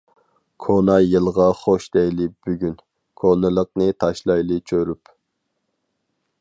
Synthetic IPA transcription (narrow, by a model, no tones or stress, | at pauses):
kʰonɑjɨlˠʁɑχoʃd̪ɛjlɪb̥yɡʲyn | kʰonɨlˠəq̚nɨt̪ʰɑʃlˠɑjlˠɨt͡ʃʰøɾyp